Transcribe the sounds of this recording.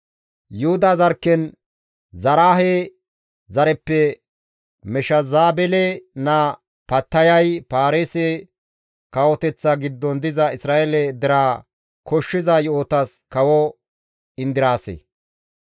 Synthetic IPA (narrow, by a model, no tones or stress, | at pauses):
jʊhʊd̪ɐzɐɾkːɛn | zɐɾaːɦe | zɐɾɛpːɛ | mɛʃɐzaːbɛlɛnɐ | pɐt̪ːɐjɐjpaːɾeːsɛ | kɐwɔt̪ɛt͡sːɐɡɪd̪ːɔnd̪ɪzɐɪsɾaːʔɛlɛd̪ɪɾaː | kʰɔʃːɪzɐjoːt̪ɐs | kɐwɔ | ɪnd̪ɪɾaːsḛ